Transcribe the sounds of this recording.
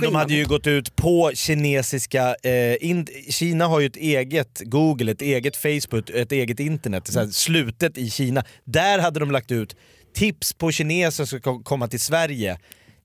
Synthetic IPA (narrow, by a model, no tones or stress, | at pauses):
dɔmhad̪ːəjɵɡɔt̪ːʉ̟ːt̪pʰɔɕɪneːsɪskaʔɪnɕiːnaɦaɾjɵɛt̪eːɡət̪ɡuːɡəlɛt̪eːɡət̪fɛjsbɵkːɛt̪eːɡət̪ɪnt̪əɳɛt̪ːsæːslʉ̟ːt̪ət̪ɪɕiːnad̪æɾɦad̪ːəd̪ɔmlak̚t̪ʉ̟ːt̪ʰː | ɪpspʰɔɕɪneːsɔskakkʰɔmːat̪ɪlsvæɾjə